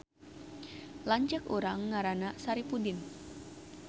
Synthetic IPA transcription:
laɲt͡ʃək̚uɾaŋːaɾanasaɾipudɪn

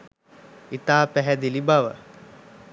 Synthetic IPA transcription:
it̪aːpæɦɛd̪ilibaʋə

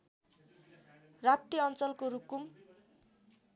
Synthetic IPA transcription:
rap̚t̪jiʌnt͡sʌlkoɾukum

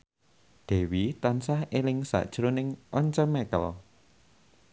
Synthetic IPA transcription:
d̪̥ɛ̤wit̪ansahelɪŋsa̰ʔd̥ʒ̥ɾonɪŋʔɔɲt͡ʃəmɛkə̰l

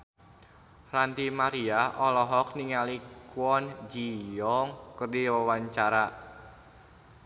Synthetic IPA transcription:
rant̪imaɾiaʔɔlɔɦɔk̚niŋalikwɔnd͡ʒijɔŋkərdiwəwaɲt͡ʃaɾa

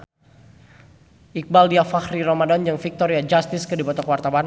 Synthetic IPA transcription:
ʔik̚baldiafahriɾɔmadɔnd͡ʒɨŋfik̚t̪ɔɾiad͡ʒast̪ɪskɨdibɔt̪ɔkwart̪awan

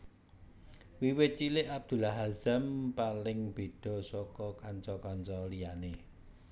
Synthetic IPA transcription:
wiwɪt̪̚t͡ʃilɪʔab̚d̪̥ṳlaɦaz̥ampalɪŋb̥e̤ɖ̥ɔ̤sɔkɔkant͡ʃɔkant͡ʃɔlijane

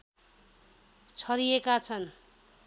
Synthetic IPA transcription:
t͡sʰʌɾiekat͡sʰʌn

